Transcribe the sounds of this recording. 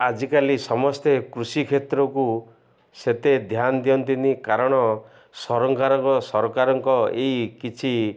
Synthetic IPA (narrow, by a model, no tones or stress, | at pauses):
ad͡ʒikalisɔmɔst̪ekɾusikʰet̪ɾɔku | set̪ed̪ʱjand̪ijɔnt̪inikaɾɔɽ̃ɔ | sɔɾɔŋkaɾɔɔsɔɾɔkaɾɔŋkɔeikit͡ʃʰi